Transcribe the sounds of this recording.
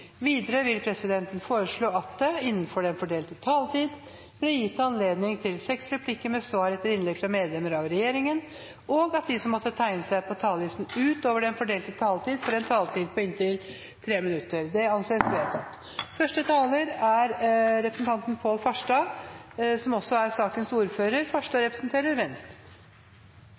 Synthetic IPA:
ʋiːd̪əɾəʋɪlpʰɾɛsɪd̪ɛnt̪ən̩foːɾəʂɭoːɑt̪̚d̪ɛɪnːənfɔɖɛnfɔɖeːlt̪ət̪ʰɑːlt̪ʰiːd̪ | blɛjɪt̪ːəɑnleːd̪nɪŋt̪ʰɪlsɛksɾɛpʰlɪkːəmɛsʋɑːɾɛt̪ːəɾɪnlɛɡfɾɑmeːd̪lɛmːəɾɑʋɾɛjeːɾɪŋən | ɔɡɑt̪̚d̪ɪsɔmːɔt̪ːət̪ʰæɪnəsæɪpʰɔt̪ʰɑːlʋɪsn̩ʉːt̪oːʋəɖɛnfɔɖeːlt̪ət̪ʰɑːlt̪iːd̪fɔɾɛnt̪ʰɑːlt̪ʰiːd̪̚pʰɔɪnt̪ʰɪl | t̪ʰɾeːmɪnʉt̪ːəɾd̪ɛɑnseːsʋeːt̪ʰɑt̪ː | fœʂʈət̪ʰɑːləɾæɾɾɛpɾəsənt̪ɑnt̪ənpʰoːlfɑʂʈɑ | sɔmɔsːɔæɾsɑːkənsuːɾføːɾəɾfɑʂʈɑɾɛpɾəsnt̪ʰeːɾəɾʋɛnst̪

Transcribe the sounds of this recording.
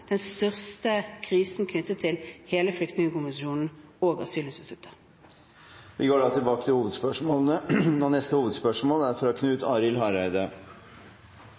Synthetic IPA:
d̪̥ɛnst̪œʁst̪əkʰʁiːsn̩kʰnʏt̪ːət̪ʰːɪlheːləflʏkt̪nɪŋəkʊməsuːnn̩oːɡɑ̰syːlɪnst̪ɪt̪ʉt̪ʰːəʁ | ʋɪɡoːɖɑːt̪ʰɪlbɑːkət̪ʰɪlhuːʋəd̪spœʂmoːlənənɔnɛst̪əhuːʋəd̪spœʂmoːlæɾfɔɾɔkʰnʉːt̪ʰɑːɾɪlɦɑɾæɪd̪ə

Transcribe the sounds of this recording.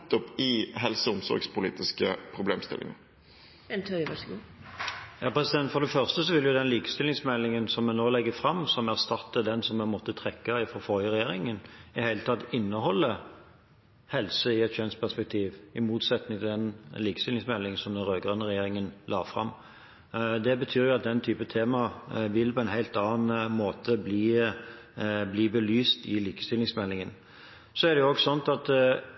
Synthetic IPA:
t̪ːɔpɪɦɛlsəʊmsɔ̰ɾɡspʰʊlḭːt̪ɪskəpʰɾʊblḛːmst̪ɪ̰lʔɪ̰ŋə̰ | ɛnt̪ʰœʋæʂɡu | jɑːpʰʁɛsɪd̪ɛnt̪fɔd̪ɛfœʁst̪əsɔʋɪljʊd̪ɛnliːkə̥st̪ɪlɪŋsmɛlːɪŋənsɔmːɛnoːlɛɡːəfɾɑmsɔmæʁst̪ɑt̪ːəd̪ɛnsɔmːɛmɔt̪ːət̪ʰʁɛkːɑɪfʁɔfɔɾjəʁɛjeːɾɪŋənɪdæɪlət̪ʰɑt̪ːɪnːəhɔlːə | hɛlsəɪɛt̪çœnspʰæspɛk̚t̪ʰiːʋɪmuːt̪sɛt̪nɪŋt̪ʰɪd̪ɛnliːkə̥st̪ɪlɪŋsmɛlːɪŋənsɔmd̪ɛnɾøːɡʁœnːəʁɛjeːɾɪŋənlɑ̰ːfɾɑ̰m | d̪ɛbət̪ʰyːɾjʊɑt̪̚d̪ɛnt̪ʰyːpət̪ʰeːmɑʋɪlpʰɔɛnhæɪt̪ɑːnmoːt̪ʰəbliː | bliːbəlyːst̪ɪliːkəst̪ɪlːɪŋsmɛlːɪŋən | sɔæd̪ɛjʊoːɡsɔnt̪ɑt̪

